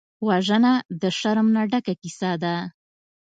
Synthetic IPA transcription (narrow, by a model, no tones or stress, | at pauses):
waʒənad̪əʃaɾmnaɖakakisad̪a